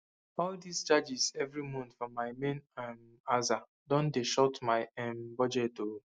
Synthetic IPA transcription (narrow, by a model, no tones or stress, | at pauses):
ɔldisd͡ʒad͡ʒizɛvɾimɔ̃ntfɔmaɪmẽnam | aza | dɔ̃ndeʃɔtmaɪɛmbɔd͡ʒɛto